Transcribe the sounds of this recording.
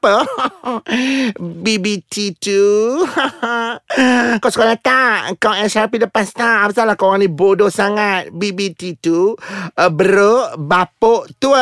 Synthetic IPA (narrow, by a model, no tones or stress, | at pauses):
pə | bibit̪ʰit̪u | kawsəkalat̪aʔkawɛsarpiləpast̪aʔːpasalakawaŋnibodosaŋat̪̚bibit̪it̪uəbəɾoʔbapoʔt̪u